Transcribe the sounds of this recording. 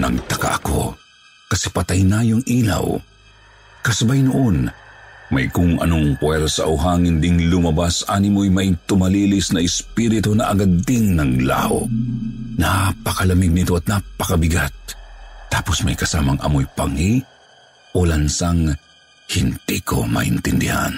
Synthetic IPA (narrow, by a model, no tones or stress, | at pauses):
nɐ̰ɡt̪ɐka̰ʔɐko̰ | kɐsɛpɐt̪ajnaːjoŋʔiːla̰w | kɐsɐbajnʊʔonmɐ̰jkʊŋɐ̰noŋkwɛɾsaʔwɦaŋɪnd̪iŋlʊmɐbasʔaːnimojmɐjt̪ʊmɐliːlisnɐɪspiɾɪt̪onɐʔɐɡad̪iŋnɐŋla̰ʔo̰ | napɐkɐlɐmɪɡ̚nɪt̪o̞ʔɐt̪̚napɐkɐbɪɡat̪̚ːaːposmɐjkɐsaːmɐŋʔɐ̰mojpɐŋi | ʔolɐnsaŋ | hind̪̥iko̰mɐ̰hɪ̰nt̪ɪnd̪ɪha̰n